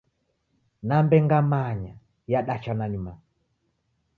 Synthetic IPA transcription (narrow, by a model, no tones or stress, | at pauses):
nambɛŋɡamaɲa | jaɗat͡ʃananima